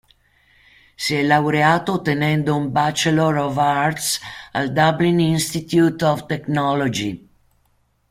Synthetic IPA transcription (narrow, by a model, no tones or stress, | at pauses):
siɛlːawɾeaːt̪ot̪enɛnd̪oumbat͡ʃeloɾɔvaɾt̪sa̰ld̪ablininst̪it̪jut̪ɔvt̪eknɔlod͡ʒi